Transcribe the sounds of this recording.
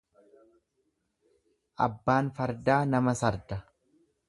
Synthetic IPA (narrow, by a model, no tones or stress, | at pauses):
ʔɐ̰bːaːnfɐɾd̪aːnɐmɐsɐɾd̪ɐ